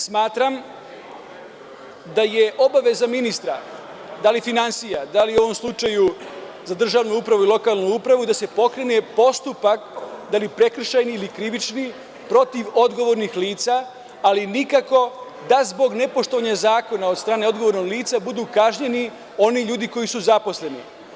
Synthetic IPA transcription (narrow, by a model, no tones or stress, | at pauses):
smaːt̪ɾam | d̪aje̞ʔo̞baʋe̞zaminist̪ɾa | d̪alifinansijad̪aliuo̞ʋo̞mslˠut͡ʃaju | zad̪r̩ʒaʋnuupɾaʋuilˠo̞kalˠnuupɾaʋuid̪ase̞po̞kɾe̞ne̞po̞st̪upakd̪alipɾe̞kr̩ʃajniːlikɾiʋit͡ʃni | pɾo̞t̪iʋo̞d̪ɡo̞ʋo̞ɾnixliːt̪saː | linikako̞ | d̪azbo̞ɡne̞poʃt̪oʋaɲazaːko̞naod̪st̪ɾaːne̞o̞d̪ɡo̞ʋo̞ɾnoɡliːt̪sabud̪uːkaʒɲe̞ni | o̞niʎuːd̪iko̞jisuzapo̞sle̞nḭ